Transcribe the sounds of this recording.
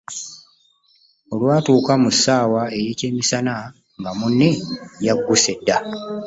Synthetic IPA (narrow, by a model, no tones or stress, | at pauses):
o̞lwaːtuːkamusːaːwae̞jeːce̞ːmisana | ŋɡamunːijaɡːuse̞dːa